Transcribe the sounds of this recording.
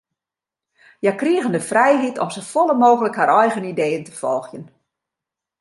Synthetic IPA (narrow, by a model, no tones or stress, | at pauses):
jakriəɣəndəfrɛjɦitʰɔ̰msofɔlˠəmoːɣələkhaɾɔjɣənideːəntə̥fɔlˠxjən